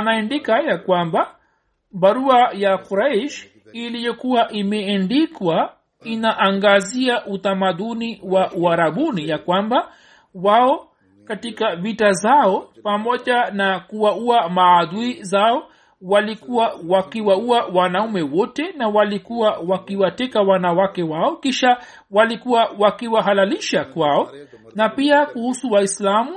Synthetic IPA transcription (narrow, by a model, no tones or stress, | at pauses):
anaɛndikajakwamba | ɓaɾuajakuɾaiʃ | ilijɔkuwaʔimɛandikwa | inaʔaŋɡaziaʔut̪amaðuniwaʔuaɾaɓunijakwamba | waɔ | katikavitazaɔpamɔʄanakuwauamaːðuizaɔ | walikuwawakiwauawanaumɛwɔtɛnawalikuwawakiwatɛkawanawakɛwaɔkiʃa | walikuwawakiwaɦalaliʃakwaɔ | napiakuhusuwaislamu